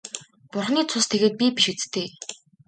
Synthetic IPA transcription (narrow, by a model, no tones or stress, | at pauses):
pʊrχniːt͡sʰʊst̪ʰeɣeːt̪̚pʲipiʃut͡st̪eː